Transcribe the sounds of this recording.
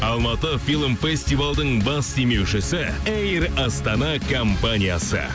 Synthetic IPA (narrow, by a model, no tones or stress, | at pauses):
ɑlˠmɑt̪əfilˠmfe̞sʲt̪ijvalˠd̪əɴbɑst̪ʰeme̞wʃɪsɪ | ejrɑst̪ɑnɑkʰo̞mpanʲijasə̰